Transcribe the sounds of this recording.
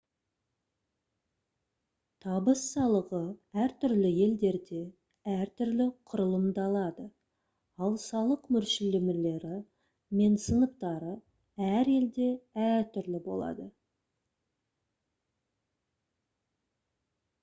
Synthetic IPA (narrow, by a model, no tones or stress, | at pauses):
t̪ʰɑbəsːɑlˠəʁəæɾt̪ʰʏɾlɪje̞ld̪e̞ɾd̪e̞ | æɾt̪ʰʏɾlɪqʰʊɾəlˠəmd̪ɑlˠɑd̪ə | ɑlˠsɑlˠəqmʏɾʃɪlɪmɪle̞ɾɪ | me̞nsənəq̚t̪ɑɾə | æɾe̞ld̪e̞æɾt̪ʰʏɾlɪbo̞̰lˠɑ̰d̪ə